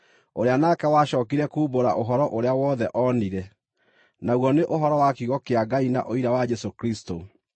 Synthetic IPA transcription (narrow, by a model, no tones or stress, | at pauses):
oɾeanakɛwaɕɔːkiɾɛkuːboɾa̰ʔoɦɔɾɔʔoɾeawɔðɛʔɔniɾɛ | naɣwɔneʔoɦɔɾɔwakiɣɔkeaɡaina̰ʔoiɾawad͡ʒɛsokɾisto